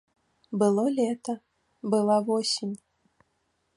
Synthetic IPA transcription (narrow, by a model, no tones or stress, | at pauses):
bɨlˠɔlʲɛt̪ɐ | bɨlˠavɔsʲimʲ